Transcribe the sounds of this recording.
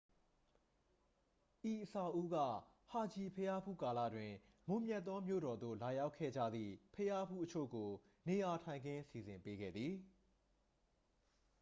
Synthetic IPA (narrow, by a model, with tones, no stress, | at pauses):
ʔi˨ʔəsa˨ʔu˦ɡä̰˦˨ | ha˨d͡ʑi˨pʰəja˦pʰṵ˦˨ka˨lä̰˦˨dwɪ̃˨ | mʊ̃˦˨mjɛ˦˨t̪ːɔ˦mjo̰˦˨ɾɔ˨d̪o̰˦˨la˨ja˦ʊkʰːɛ̰˦˨d͡ʑä̰˦˨d̪ðḭ˦˨pʰəja˦pʰṵ˦˨ʔət͡ɕʰo̰˦˨ɡo˨ | ne˨ja˨tʰã˨ɪ̃ŋɡɪ̃˦si˨zɪ̃˨mpe˦ɡɛ̰˦˨d̪ði˨